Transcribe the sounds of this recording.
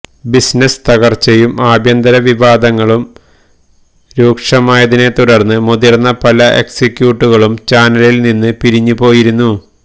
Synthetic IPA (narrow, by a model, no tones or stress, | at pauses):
bisnɐst̪ɐɣɐrt͡ɕɐjumaːbʱjɐnd̪ɐɾɐʋiʋaːd̪ɐŋːɐɭum | ɾuːkʂɐmaːjɐðine̞t̪uɽɐrnːɨmuðirnːɐpɐlɐʔe̞̰ksikʲjuːʈːuɣɐɭumt͡ɕaːnɐlilninːɨpiɾiɲːupo̞ːjiɾunːu